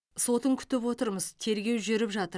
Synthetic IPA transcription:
so̞t̪əŋkʲʰʏ̥t̪ɪp̬wo̞t̪əɾməzt̪ʰe̞ɾɡʲe̞wʒʏɾɪpʒɑt̪əɾ

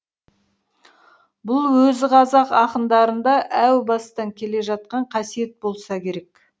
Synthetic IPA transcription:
bʊlˠwɵzɪqʰɑzɑqɑqənd̪ɑɾənd̪ɑʔæwbɑst̪ɑŋkʲʰe̞le̞ʒɑt̪̚qɑɴqʰɑsije̞t̪̚bo̞lˠsɑkʲʰe̞ɾe̞k

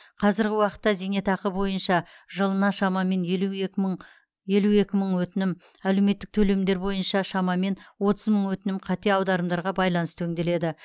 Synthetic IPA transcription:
qʰɑzɪɾɡʲɪwɑqə̥t̪ːɑzijne̞t̪ʰɑqəbo̞jənʃɑʒəlˠənɑʃɑmɑme̞nl | je̞lue̞kʲɪməɴwɵt̪ɪnɪm | ælewme̞t̪ːɪk̚t̪ʰɵle̞md̪e̞ɾbo̞jənʃɑʃɑmɑme̞nwo̞t̪əzməɴwɵt̪ɪnɪmqʰɑt̪e̞ɑwd̪ɑɾəmd̪ɑɾʁɑbɑjlˠɑnəst̪ʰɵŋd̪e̞le̞d̪ɪ

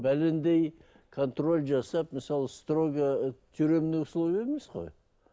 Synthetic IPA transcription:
bælɪnd̪ej | kʰo̞nt̪ro̞lʲʒɑsɑpməsɑlˠəst̪ro̞ɡət̪ʰyɾe̞mnɪkslˠuβeɾmesqo̞̰j

